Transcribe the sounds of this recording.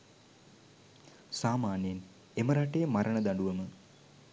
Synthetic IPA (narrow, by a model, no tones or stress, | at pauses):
saːmaːnjen | eməɾaʈejəmaɾəɳəd̪aɳɖuʋəmə